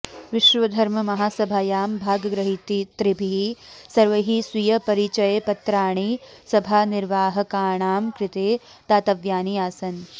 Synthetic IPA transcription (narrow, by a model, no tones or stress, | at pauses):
ʋɪʃʋɐd̪ʱɐɾmɐmɐɦaːsɐbʱaːjaːmbʱaːɡɡɾɐɦit̪it̪ɾibʱiisɐɾʋɐɦiːswijɐpɐɾit͡ʃɐjepɐt̪ɾaːɳ̃isɐbʱaːniɾʋaːɦɐ̆kaːɳaːmkɾɪt̪eː | t̪aːt̪ɐʋjaːniaːsɐn